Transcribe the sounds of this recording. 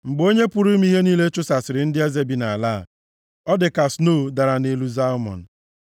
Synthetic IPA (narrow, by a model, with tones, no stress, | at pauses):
ŋ͡m̩˨ɡ͡bo˦ɲe˦pu˦ɾu˦m̩˦i˦ɦe˦niː˦le˦t͡ʃʊ˦sa˨sɪ˨ɾɪ˨˦n̩˦dɪ˦e˦ze˦bi˨na˨a˨la˦˨ | ɔ˦dɪ˨ka˨sno˦˨da˨ɾa˨ne˦lu˦za˦mɔ̰˨n̩˨